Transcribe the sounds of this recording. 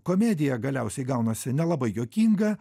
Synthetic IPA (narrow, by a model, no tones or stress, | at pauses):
koːmʲɛd̪ʲɪjɛɡɐlʲɛˑʊsʲɛɪɡɐʊnɐsʲɪnʲɛlˠɐbɐɪjoːkʲiːŋɡɐ